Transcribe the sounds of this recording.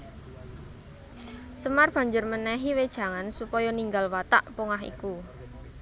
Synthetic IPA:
səmarb̥ä̤ɲd͡ʒʊrmənɛɦiwed̥ʒ̥a̤ŋansupɔjɔniŋɡalwat̪aʔpoŋaɦḭku

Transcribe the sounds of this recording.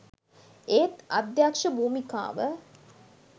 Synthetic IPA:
eːt̪ad̪jakʂəbuːmika̰ːʋə

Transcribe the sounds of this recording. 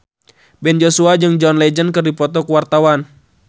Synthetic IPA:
bɛnd͡ʒosuad͡ʒɨŋd͡ʒɔnlɛd͡ʒənkɨrdipɔt̪ɔkuwart̪awan

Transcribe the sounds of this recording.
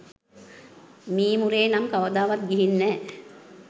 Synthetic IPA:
miːmuɾeːnamkaʋɐd̪aːʋat̪̚ɡiɦinːɛː

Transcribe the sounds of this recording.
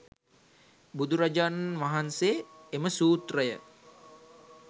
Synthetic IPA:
bud̪uɾad͡ʒanʋaɦanseːeməsuːt̪rəjə̰

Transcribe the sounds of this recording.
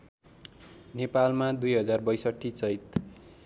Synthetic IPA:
nepalmad̪ujɦʌd͡zarbʌjsʌʈʰːit͡sʌjt̪

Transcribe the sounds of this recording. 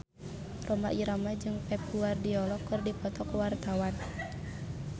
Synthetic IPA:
rʔɔma̰ʔiɾamad͡ʒɨŋpɛp̚uardiɔlɔkːɨrdipɔt̪ɔkwart̪awan

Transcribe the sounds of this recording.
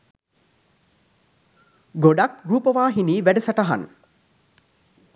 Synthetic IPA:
ɡoɖakruːpəʋaːɦiniːʋæɖəsaʈaɦa̰n

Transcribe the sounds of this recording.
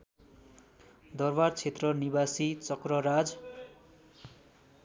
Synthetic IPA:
d̪ʌrbart͡sʰet̪rʌnibasit͡sʌkrʌɾad͡z

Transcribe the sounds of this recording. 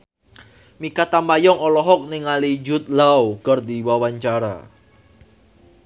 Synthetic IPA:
mikat̪amajɔŋɔlɔɦɔk̚niŋalid͡ʒʊt̪̚lawkərdiwawaɲt͡ʃaɾa̰

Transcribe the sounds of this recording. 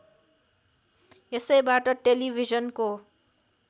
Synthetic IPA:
jesʌjbaʈʌʈelibʱizʌnko

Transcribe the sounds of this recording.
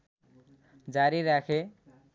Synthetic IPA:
d͡zaɾiɾakʰe

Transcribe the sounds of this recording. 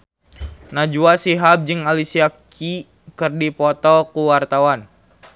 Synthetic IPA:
nad͡ʒuasiɦab̚d͡ʒɨŋalisiaki | kɨrdipɔt̪ɔkuwart̪awan

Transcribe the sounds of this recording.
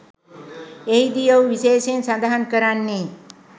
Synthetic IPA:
ejd̪ijəwʋiseːʃensand̪aɦankəɾanːiː

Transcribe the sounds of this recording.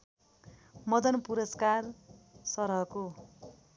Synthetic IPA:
mʌd̪ʌnpuɾʌskarsʌɾʌɦko

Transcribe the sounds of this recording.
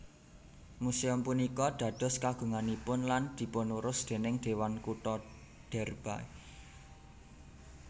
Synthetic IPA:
museʊmpunikɔd̪̥ä̤d̪̥ɔ̤skaɡ̥ṳŋanipʊnland̪̥i̤pɔnuɾʊsd̪̥e̤nɪŋd̪̥e̤wankuʈɔ | ɖ̪̥ɛ̤rb̥ae

